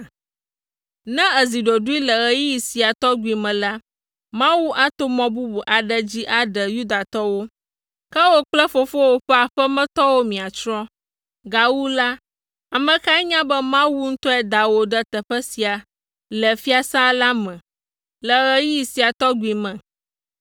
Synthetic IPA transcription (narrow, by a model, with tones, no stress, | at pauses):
nɛ̃˦ə˨zi˨ɖo˨ɖu˦i˦lə˨ɣə˨ji˦i˨si˨a˨t̪ɔ˦ɡu˨i˨mɛ̃˨la˦ | mã˦wu˦ʔa˦t̪o˦mɔ̃˦bu˦bu˨ʔa˨ɖə˦d͡ʑi˦ʔa˨ɖə˨ju˦d̪a˨t̪ɔ˦wo˦ | kə˦wo˦k͡plə˦fo˦fo˦wo˦ɸɛ˦a˨ɸɛ˦mɛ̃˦t̪ɔ˦wo˦mĩ˨a˨t͡ʃɾɔ̃˦ | ɡa˨wu˦la˦ | a˨mɛ̃˨ka˦ɛ˦ɲã˦bɛ˦mã˦wu˦ŋ̩˦t̪ɔ˦ɛ˦d̪a˨wo˨ɖə˦t̪ə˨ɸə˦si˨a˨ | lə˨fi˦a˨sã˦la˦mɛ̃˨ | lə˨ɣə˦ji˦i˨si˨a˨t̪ɔ˦ɡu˨i˨mɛ̃˨